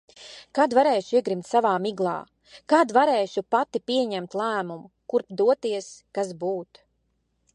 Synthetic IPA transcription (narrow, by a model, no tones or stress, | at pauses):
kad̪vaɾeːʃuiɛɡɾimt̪savaːmiɡlˠɑ̰ː | kaːd̪vaɾɛːʃupat̪ipiɛɲæmt̪lˠæːmumu | kuɾpd̪uɔt̪iɛskasbuːt̪